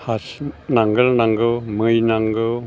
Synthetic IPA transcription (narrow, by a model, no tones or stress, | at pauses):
hasnaŋɡəlnaŋɡəwməjnaŋɡəw